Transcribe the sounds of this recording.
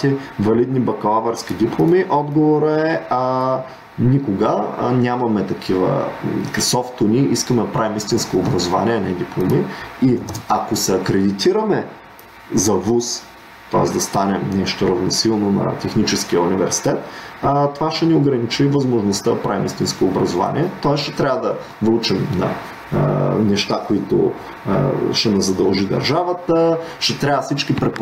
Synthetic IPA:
t̪ivɐlid̪nibɐkɐlˠavɐɾskʲid̪iplˠomiʔɔd̪ɡovoɾəɛ | nikoɡə̰nʲamɐmɛt̪ɐkʰivə̰sɔft̪ʊniʔiskəmɛd̪ɐpɾavimist̪inskoːbɾɐzova̰nʲiɛɐnɛd̪iplˠomiiɐkosɛɐkɾɛd̪it̪iɾɐmɛ | zɐvus | t̪ɔɛsd̪ɐst̪anɛmnɛʃt̪oɾɐvnosilˠnonɐ̰t̪ɛxnit͡ʃɛsk̟ijəunivɛɾsi̥t̪ɛt̪t̪ovaʃɛnioɡɾɐnit͡ʃivɐzmoʒnost̪əɐpɾavimist̪inskoːbɾɐzova̰nḭɛt̪ɔɛsʃɛt̪ɾʲavəd̪ɐ | vlˠut͡ʃimnɐ̰ | nɛʃt̪akoit̪o̰ | ʃɛnɐzɐd̪ɐlˠʒid̪ɐ̰ɾʒavət̪əʃɛt̪ɾʲavɐfsit͡ʃkipɾɛp

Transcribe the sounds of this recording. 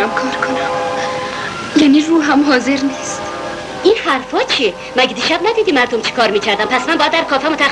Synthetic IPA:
æmkʰɒːɾkʰonæm | jæniɾuːɦamɦɒːzeɾnist̪ | inhæɾfɒːt͡ʃʰie | mæɡed̪iːʃæbnæd̪iːd̪imæɾd̪omt͡ʃʰi̥kʰɒːɾmiːcʰæɾd̪æmpʰæsmænbɒjæd̪ːæɾkʰɒːfæmot̪ʰæ

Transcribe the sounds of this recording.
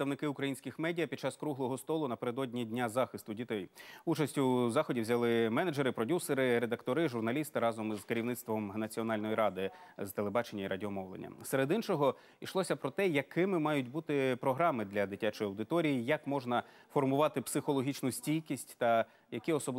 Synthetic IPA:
st̪ɐʋnɪkɪʊkɾɐjinsʲkʲɪxmɛdʲijɐpʲid̪̥̚t͡ʃɑskɾuɦlˠɔɦɔst̪ɔlˠʊnɐpeɾed̪ɔdʲnʲidʲnʲazɑxɪst̪ʊdʲit̪ɛjut͡ʃɐsʲtʲʊzɑxɔdʲiwzʲɐlˠɪmɛnɐd͡ʒeɾɪpɾɔdʲuseɾɪɾed̪ɐkt̪ɔɾɪʒʊrnɐlʲist̪ɪɾɑzɔmizkeɾʲiʋnɪt̪st̪ʋɔmnɐt͡sʲiɔnɑlʲnɔjiɾɑd̪ɪzt̪e̞lˠebɑt͡ʃenʲːɐiɾɐdʲiɔmɔʋlˠḛnʲːɐ̰seɾed̪int͡ʃɔɦɔ | iʃlˠɔsʲɐpɾɔt̪ɛjɐkɪmɪmɑjʊtʲbut̪ɪpɾɔɦɾɑmɪd̪lʲɐd̪ɪtʲat͡ʃɔjɐwd̪ɪt̪ɔɾʲijijɐkmɔʒnɐ | fɔrmʊʋɑt̪ɪpsɪxɔlˠɔɦʲit͡ʃnʊsʲtʲijʲkʲisʲtʲt̪ɐ | jɐkiɔsɔbl

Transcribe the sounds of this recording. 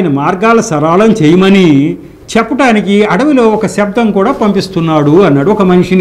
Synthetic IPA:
jnɐmaːɾɡaːlɐsɐɾaːlɐmt͡ʃejɐmɐni | t͡ʃɛpːɐʈaːnikiɐɽɐʋulo̞ːɔkɐʃɐb̚d̪ʱɐmkuːɽaːpɐmpist̪unːaːɽuɐnːɐɽuɔkɐmɐniʂin

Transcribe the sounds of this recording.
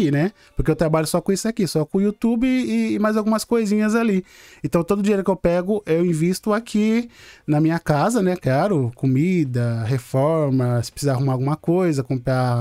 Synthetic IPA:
inɛ | poɾkeewt̪ɾabaʎʊsɔkõisʊakisɔkõiut̪ubɪːmajzawɡũmɐskojzĩɲɐzaliẽt̪ɐ̃w̃t̪od̪ʊd͡ʒieɾʊkɪewpɛɡʊʔewĩvist̪ʊakʰinɐmĩɲɐkazɐnɛklaɾʊkomid̪ɐɦefɔɾmɐsɪ̥pɾsizaːɦumaawɡũmɐkojzɐkõmpɾa

